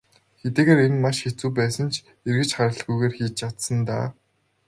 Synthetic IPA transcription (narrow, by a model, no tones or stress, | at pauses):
xet̪eːɣeːɾenmaʃxet͡suːp̬æːsə̆nt͡ɕʰ | erɣɘ̆t͡ɕχaɾə̆ɮɣujɣeːrxiːt͡ɕjat̪sə̆nt̪a̰ː